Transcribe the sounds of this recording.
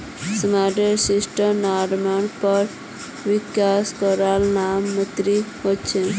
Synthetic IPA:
səmaɖeɾsiʃʈənaɾmaɳpəɾ | ʋɪkjaskɔɾalnamːət̪ɾihot͡ʃʰe

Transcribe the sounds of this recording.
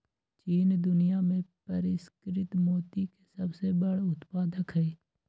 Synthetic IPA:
t͡ʃiːnd̪ʊnijamẽpɐɾɪskɾɪt̪moːt̪ikesɐbsebəɽʊt̪paːd̪əkɦɛː

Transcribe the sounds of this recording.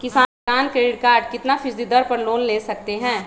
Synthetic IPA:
kɪsaː | aːnkɾeːɖɪɖkaːɾɖkɪt̪nafʰɪsd̪id̪əɾpɐɾloːnleːsɐk̚t̪eɦɛ̃ː

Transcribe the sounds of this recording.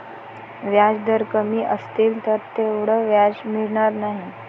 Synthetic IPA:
ʋjad͡zd̪əɾkəmiːʔəst̪iːlt̪əɾt̪eʋɽ̤əʋjad͡zmiɽɳaɾnaɦi

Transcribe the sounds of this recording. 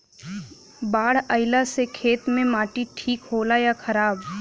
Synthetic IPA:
baːɽ̤əɪlasekʰeːt̪mẽmaːʈiʈʰiːkɦoːlajakʰɐɾaːb

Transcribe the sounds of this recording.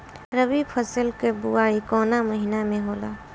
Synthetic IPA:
ɾəbipʰəsəlkebuaːikɔːnaməɦinamẽɦoːlaː

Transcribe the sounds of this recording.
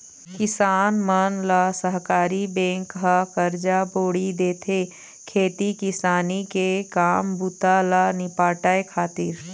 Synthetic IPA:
kɪsaːnmənlasəɦkaːɾibɛ̃ːŋkɦakɐɾd͡ʒaboːɽid̪eːt̪ʰe | kʰeːt̪ikɪsaːnikekaːmbut̪alanɪpaːʈaːekʰaːt̪ɪɾ

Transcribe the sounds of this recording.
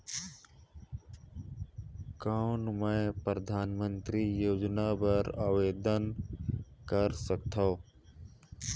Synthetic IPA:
kaʊnmə̃pɾəd̪ʱaːnmə̃nt̪ɾijoːd͡ʒnabəɾaːʋeːd̪ən | kəɾsək̚t̪ʰa

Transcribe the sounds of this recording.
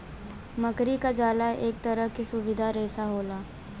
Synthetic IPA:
mɐkɾikad͡ʒaːlaeːk̚t̪ɐɾəɦkisʊʋɪd̪ʱaɾɛːsaɦoːlaː

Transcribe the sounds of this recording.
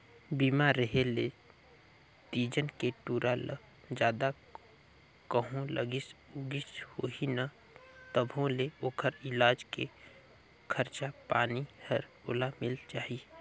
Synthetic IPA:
biːmaɾːəɦele | t̪iːd͡ʒənkeʈuːɾʔalə | d͡ʒjaːd̪a | kəɦõlə̰ɡɪsuɡɪshoːɦina | t̪əbʱõleoːkʰəɾɪlaːd͡ʒke | kʰəɾt͡ʃapaːnihəɾo̰ːlamɪlt͡ʃaːɦi

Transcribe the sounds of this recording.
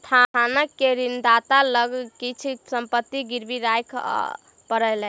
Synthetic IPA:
t̪ʰanəkːeɾind̪at̪aləɡkit͡ʃʰsəmpət̪ːiɡiɾbiɾajkʰ | pəɾəlɛ

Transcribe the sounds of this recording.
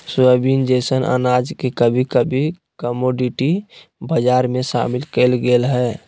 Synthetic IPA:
səbind͡ʒɛsənʔə̰nad͡ʒkekəbʱikəbʱi | kəmoɖiʈibəd͡ʒaɾmẽʃa̰milkelɡelɦɛ

